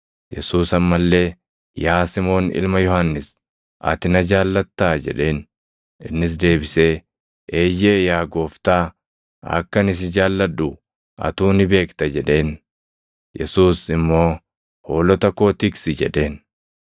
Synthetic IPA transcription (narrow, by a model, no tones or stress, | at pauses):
jɛ̰suːsɐmːɐlːe̞ː | jaːsɪmo̞ːnɪ̰lmɐjɔhɐnːɪs | ʔɐ̰t̪ɪnɐd͡ʒaːlːɐt̪ːaːd͡ʒɛ̰ᶑe̞ːn | ɪnːɪs̬d̪e̞ːbɪse̞ː | ʔeːjeːjaːɡo̞ːft̪aː | ɐ̰kːɐnɪs̬ɪd͡ʒaːlːɐᶑːu | ʔɐ̰t̪uːnɪbe̞ːkt̪ɐd͡ʒɛᶑe̞ːn | jɛsuːsɪmːo̞ː | ho̞ːlɔt̪ɐko̞ːt̪ɪksɪd͡ʒɛ̰ᶑe̞ːn